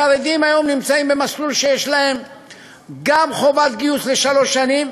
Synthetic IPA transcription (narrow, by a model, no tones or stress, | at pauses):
aved̪imajo̞mnimt͡saimbe̞maslulʃeje̞ʃlae̞m | ɡamχo̞vat̪ɡiusle̞ʃalo̞ʃːanim